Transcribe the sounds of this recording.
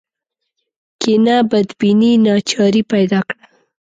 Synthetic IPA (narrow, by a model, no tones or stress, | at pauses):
kɪnabad̪bininɑt͡ʃɑɾipajd̪ɑkɽa